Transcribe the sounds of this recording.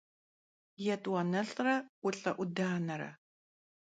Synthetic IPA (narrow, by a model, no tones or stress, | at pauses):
jɛtʼwɐnɐɬrɐʔʷʊɬʼɐʔʷʊdaːnɐɾɐ̰